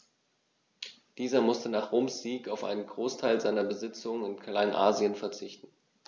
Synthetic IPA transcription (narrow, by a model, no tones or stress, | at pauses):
d̥iːzɐmʊstənaːχʁ̥oːmsz̥iːkaʊfʔa̰ɪnənɡʁoːstʰaɪlzaɪnɐbəzɪt͡sʊŋəɪnkʰlaɪnʔaːzjənfɛɐt͡sɪçtn̩